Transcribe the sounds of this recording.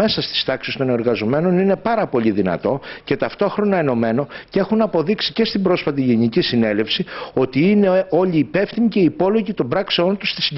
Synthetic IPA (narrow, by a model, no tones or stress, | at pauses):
e̞sɐst̪i̥st̪ɐksist̪o̞ne̞ɾɣɐzo̞me̞no̞nine̞pɐɾɐpo̞ʎiðinɐ̰t̪o̞ce̞t̪ɐft̪o̞xɾo̞nɐeno̞me̞no̞ce̞xunɐpo̞ðiksi̥ce̞st̪ibɾo̞sfɐt̪̬iʝe̞nicisine̞le̞fsio̞t̪iine̞o̞ʎiːpe̞fθimice̞iːpo̞lo̞ʝit̪o̞mbɾɐkseo̞nt̪ust̪i̥si